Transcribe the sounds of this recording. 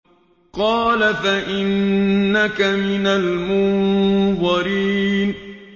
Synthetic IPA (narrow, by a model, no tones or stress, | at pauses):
qɑːlafaʔɪnːakamɪnalmʊnðɑɾiːn